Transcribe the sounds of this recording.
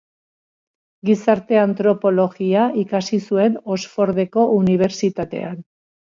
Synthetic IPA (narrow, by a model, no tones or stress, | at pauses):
ɡisaɾt̪e̞ant̪ɾo̞po̞lo̞ɣiaikasisue̞no̞sfo̞ɾðe̞ko̞ʔuniβ̞e̞ɾt͡sit̪at̪e̞̰an